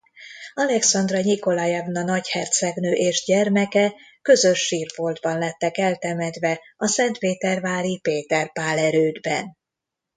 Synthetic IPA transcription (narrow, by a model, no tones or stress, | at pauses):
ɒlɛksɒnd̪rɒɲiko̞lɒjɛvnɒnɒchɛrt̪sɛɡnøːʔeːʒɟɛrmɛkɛ | kø̞zø̞ʃːiːrfold̪bɒnlɛt̪ːɛkɛlt̪ɛmɛd̪vɛ | ɒsɛnt̪peːt̪ɛrvaːɾipeːt̪ɛrpaːlɛɾøːd̪bɛ̰n